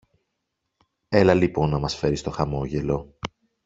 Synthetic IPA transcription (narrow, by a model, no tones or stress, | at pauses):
e̞lɐlipo̞nːɐmɐsfe̞ɾist̪o̞xɐmo̞ʝe̞lo̞